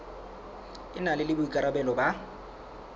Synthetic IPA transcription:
ɪnalɪlɪbʊikʼaɾabɛlɔba

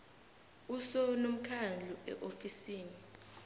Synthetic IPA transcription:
usɔnom̩kʰand͡ɮʱuʔɛ̰ʔofisiːni

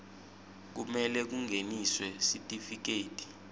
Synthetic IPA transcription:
k̬umɛlɛk̬uŋʱeniswɛsitʼifik̬eːtʰʼi̥

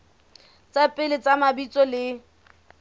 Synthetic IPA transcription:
t͡sʼapʼɪlɪt͡sʼamabit͡sʼɔlɪ

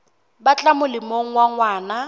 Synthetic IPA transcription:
bat͡ɬʼamʊlɪmoŋ̩waŋwaːna

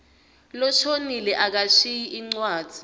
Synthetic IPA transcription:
lɔʃonilɛʔak̬aʃijiʔiŋ͡ǀwḁːz̥ʱi̥

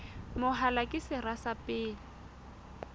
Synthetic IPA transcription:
mʊɦalakʼɪsɪrasapʼɪːlɪ

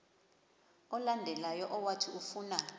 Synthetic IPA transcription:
ɔlandʱɛlajɔʔɔwatʰiufuːna

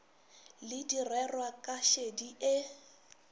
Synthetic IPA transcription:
lɪdirɛrwakʼaʃediʔɪ

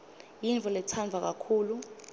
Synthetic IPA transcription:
jint͡fɔlɛt͡sʰanvʱak̬akʰuːlu

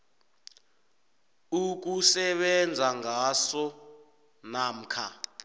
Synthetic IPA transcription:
uk̬usɛɓɛnd͡zʱaŋasɔ | nam̩kʰa

